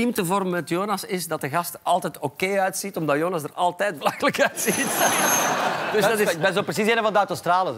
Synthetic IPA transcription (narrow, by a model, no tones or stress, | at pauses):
imtəvɔrmənmɛtjoːnɑsɪsdɑt̚dəɣɑstɑlˠtɛtoːkeːœɥtsitɔmdɑtjoːnɑsdərɑlˠtɛjt̚bəlɑxələkœɥtsit | d̥ʏsdɑtɪbɛnzopɾəs̬iseːnə̃vɑndəawtostraːlə